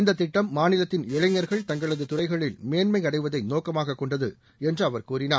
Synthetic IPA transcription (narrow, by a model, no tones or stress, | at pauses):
nd̪ɐt̪ːɪʈːɐmːaːnɪlɐt̪ːɪnɪɻɐŋːɐɾɣɐɭt̪ɐŋɡɐɭɐðɯt̪ʊrɐɪɣɐɭɪlmeːnmɐɪɐɽɐɪʋɐðɐɪnoːkɐmaːɣɐkːɔɳɖɐðɯ | ɛndrɯɐʋɐɾkuːrɪnaː